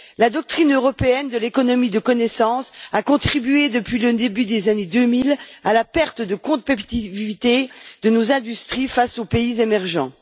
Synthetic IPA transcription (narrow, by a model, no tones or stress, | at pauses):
lad̪ɔk̚t̪χinøʁɔpeɛnd̪əlekɔnɔmid̪əkɔnɛsɑ̃sakɔ̃t̪χibyed̪əpɥiləd̪ebyd̪ezaned̪ømilalapɛʁt̪əd̪əkɔ̃pet̪ivit̪ed̪̥ənozɛ̃d̪yst̪χifasopeizemɛʁʒɑ̰̃